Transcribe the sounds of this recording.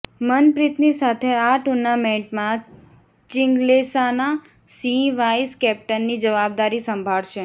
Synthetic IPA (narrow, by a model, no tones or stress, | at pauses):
mənpɾit̪nisat̪ʰeaʈuɾnameɳʈmã | t͡ʃɪŋɡlesana | siʋaiskɛp̚ʈənːid͡ʒəʋab̚d̪aɾisəmbʱaɭʃe